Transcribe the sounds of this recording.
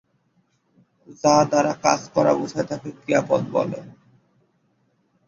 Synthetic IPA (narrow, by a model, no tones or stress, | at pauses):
zad̪aɾaka̰d͡zkɔɾa̰butʰajt̪ʰakekɾiapɔ̰d̪̚bɔ̰lḛ